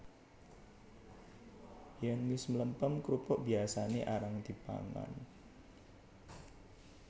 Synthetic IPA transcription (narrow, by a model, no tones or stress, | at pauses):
janwɪsmələmpəmkɾupɔʔbiasaneʔaɾaŋd̪ipa̰ŋa̰n